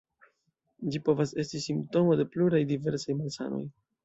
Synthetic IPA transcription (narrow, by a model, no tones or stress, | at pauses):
d͡ʒipo̞vase̞stisimpto̞mo̞de̞pluɾajdive̞ɾsajmalsa̰no̞̰j